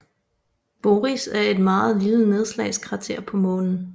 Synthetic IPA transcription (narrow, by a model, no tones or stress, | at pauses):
b̥o̝ːʁisæɐe̝d̥mɑ̈ːð̩ˠliləne̝ð̞ˠslɛɪskʰʋɑ̈t͡sʰe̝ɐ̰pʰɒ̽mɔ̽ːnn̩